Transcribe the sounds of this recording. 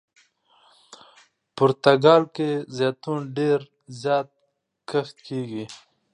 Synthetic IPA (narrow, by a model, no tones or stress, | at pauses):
pʊɾt̪aɡɑːlkezjɑt̪unɖeɾ | zjɑːt̪̚ | kəxt̪keːɡi